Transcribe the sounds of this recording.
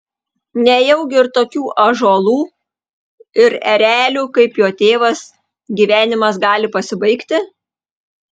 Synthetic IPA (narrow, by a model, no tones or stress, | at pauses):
nʲɛjɛʊɡʲɪɪɾt̪oːkʲuːʔɐʒoːlˠuː | ɪɾɛɾʲæːlʲuːkɐɪpjoːt̪ʲeːʋɐs | ɡʲiːʋʲæːnʲɪmɐsɡɑːlʲɪpɐsʲɪbɐɪkt̪ʲɪ